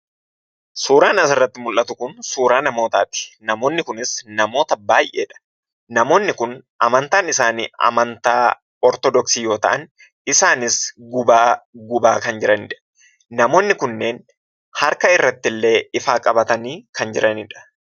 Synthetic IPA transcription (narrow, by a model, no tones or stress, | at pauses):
suːɾaːnɐsɪrːɐt̪ːɪmʊlʔɐt̪ʊkʊnsuːɾaːnɐmo̞ːt̪aːt̪ɪ̥nɐmo̞ːnːɪkʊnɪsnɐmo̞ːt̪ɐbaːjʔe̞ːᶑɐ̥ | nɐmo̞ːnːɪkʊnʔɐmɐnt̪aːnɪsaːniɐ̰mɐnt̪aː | ɔɾt̪ɔd̪ɔksiːjo̞ːt̪ɐʔɐn | ɪsaːnɪsɡʊbaːɡʊbaːkɐnd͡ʒɪɾɐnɪᶑɐ̥ː | ɐmo̞ːnːɪkʊnːe̞ːn | hɐɾkɐɪrːɐt̪ːɪlːe̞ːɪfaːkʼɐbɐt̪ɐniːkʰɐnd͡ʒɪɾʔɐnɪᶑɐ̥